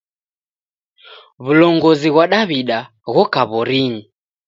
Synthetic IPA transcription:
βulɔŋɡɔziɣwaɗaβiɗa | ɣɔkaβɔɾiɲi

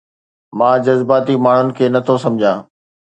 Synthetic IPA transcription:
mãːd͡ʑɐzbaːt̪imaːɳ̤ʊnɪ̆kʰeːnɐt̪ʰosɐ̃md͡ʑʱãː

